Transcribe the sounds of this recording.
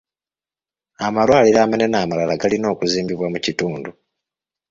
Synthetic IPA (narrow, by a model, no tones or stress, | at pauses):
amalwaːliɾaːmane̞naːmalalaɡalino̞ːkuziːmbiβwamucituːndu